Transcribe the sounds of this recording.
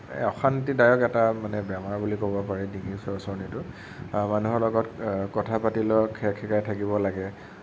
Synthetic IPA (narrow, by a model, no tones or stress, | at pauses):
ɔxantidajɔkɛtamanɛbɛmaɹbulikobɔpaɹɛdiŋisɔsɔɹnitʊ | manuɦɔɹlɔɡɔtkɔtʰapatilɔkʰɛkʰɛkajtʰakibɔlaɡɛ